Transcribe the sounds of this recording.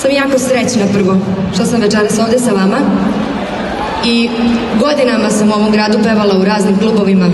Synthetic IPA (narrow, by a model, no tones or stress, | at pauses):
samjaːko̞sɾet͡ɕnapr̩ʋo̞ | ʃt̪osamʋet͡ʃɛɾaso̞ːʋd̪esaʋama | iɡo̞d̪inamasamuo̞ʋo̞mɡɾaːd̪upe̞ʋalauɾaːznimkluːbo̞ʋima